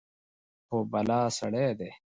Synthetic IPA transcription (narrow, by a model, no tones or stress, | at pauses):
xoːbɐlaːsɐ̰ɽeːd̪eː